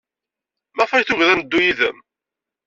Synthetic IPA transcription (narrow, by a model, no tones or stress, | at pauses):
mæfɑjθʊʝðænəd̪ːujiðə̰m